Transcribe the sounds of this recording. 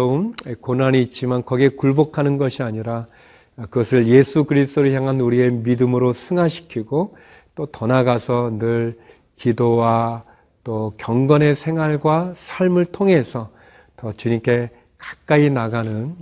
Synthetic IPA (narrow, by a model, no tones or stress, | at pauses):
umkonaniːt̚t͡ɕ͈imankʌɡe̞kuɭbokʰanɯnɡʌɕʰiaɲiɾa | kɯɡʌsʰɯɭje̞sʰukɯɾist͈oɾɯɭçjaŋɦanuɾie̞midɯmɯɾosʰɯŋaɕʰi̥kʰiɡo | t͈otʌnaɡasʰʌnɯɭ | kidowa | t͈okjʌŋɡʌne̞sʰe̞ŋɦwaɭɡwasʰaɭmɯɭtʰoŋe̞sʰʌ | tʌt͡ɕuɲimk͈e̞ | kḁk̚k͈ainaɡanɯn